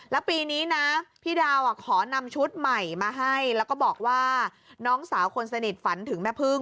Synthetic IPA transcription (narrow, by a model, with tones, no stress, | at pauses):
lɛː˦˥wpiː˧niː˦˥na˦˥pʰiː˥˩daː˧wʔa˨˩kʰɔː˩˦na˧mt͡ɕʰu˦˥t̪̚ma˨˩jmaː˧ɦa˥˩jlɛː˦˥wkɔː˥˩bɔː˨˩k̚waː˥˩ | nɔː˦˥ŋsaː˩˦wkʰo˧nsa˧ni˨˩t̪̚fa˩˦nt̪ʰɯ˩˦ŋmɛː˧˩pʰɯ˥˩ŋ